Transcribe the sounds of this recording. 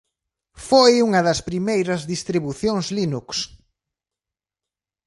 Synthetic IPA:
fojuŋɐðɐspɾimejɾɐzðist̪ɾiβuθjoŋzlinuks

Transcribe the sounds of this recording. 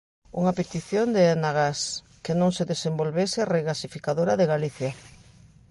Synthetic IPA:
uŋapet̪iθjond̪eanaɣas | kenõŋseðesembolβeseareɣasifikaðoɾaðeɣaliθja

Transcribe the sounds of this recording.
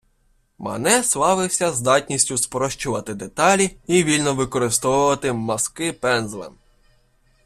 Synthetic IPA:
mɐ̰nɛslˠɑʋɪwsʲɐzd̪ɑtʲnʲisʲtʲʊspɾɔʃt͡ʃʊʋɐt̪ɪd̪et̪ɑlʲiiʋʲilʲnɔʋɪkɔɾɪst̪ɔwʊʋɐt̪ɪmɐskɪpɛnzlˠɛ̰m

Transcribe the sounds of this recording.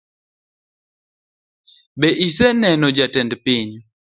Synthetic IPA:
bɛʔisɛnɛnɔd͡ʒatɛndpiɲ

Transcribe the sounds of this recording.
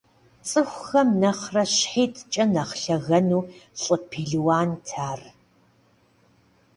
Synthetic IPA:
t͡sʼɨxʷxɐmnɐχrɐɕħiːtʰt͡ʃʼɐnɐχɬɐɣɐnuːɬʼɨpʰiːɮwaːntʰaːr

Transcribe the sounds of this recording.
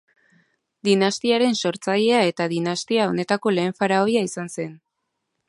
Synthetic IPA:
d̪inast̪iaɾe̞nso̞ɾt͡saʎe̞ae̞t̪aðinast̪iao̞ne̞t̪ako̞le̞ːɱfaɾao̞jaisanse̞n

